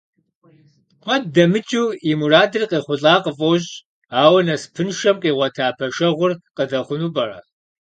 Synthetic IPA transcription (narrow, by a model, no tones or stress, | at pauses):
qʷʰɐddɐmɨt͡ʃʼuːimuraːdɨrqʼeːχʷʊɬʼaːqʼəfʼowʑ | aːwɐnɐspʰɨnʃɐmqʼiːʁʷɐtʰaːpʰɐʃɐʁʷʊrqʼəðɐχʷʊnuːbɐrɐ̰